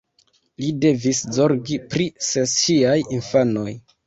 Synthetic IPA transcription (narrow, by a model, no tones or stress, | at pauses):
lide̞viszo̞ɾɡipɾiseʃiajinfano̞j